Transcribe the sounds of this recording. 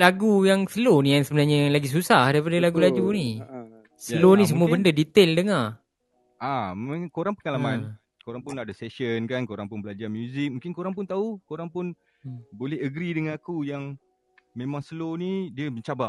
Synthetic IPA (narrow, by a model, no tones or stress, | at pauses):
laɡujaŋsəlonijaŋsəbənarɲalaɡis̬usahdaipadəlaɡulad͡ʒuni | səlonis̬əmuəbəndədit̪eldəŋa | ʔakoɾaŋpəŋalaman | koɾaŋpʊnːaʔdəsɛsənkankoɾaŋpʊnbəlad͡ʒamjuzɪk̚mũŋkɪnkoɾaŋp̬ʊnt̪aukoɾaŋpʊn | bolɛhəɡɾidəŋanakujaŋ | mẽmãŋsəlonidiəməɲt͡ʃabaʔ